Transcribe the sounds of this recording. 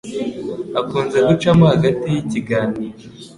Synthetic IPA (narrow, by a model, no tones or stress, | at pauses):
akuːnze̞ɡut͡ʃamohaɡatijiciɡaːniːɾo